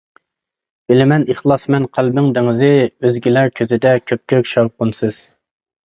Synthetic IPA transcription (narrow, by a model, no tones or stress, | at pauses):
b̥ɪlɪmɛnəχlˠɑsmɛnqʰælbɪŋd̪ɪŋɪzɪøzɡʲilæɾkʲʰøzɪd̪ɛkʲʰøp̚kʲʰøkʲʃɑwqʊnsɨz̥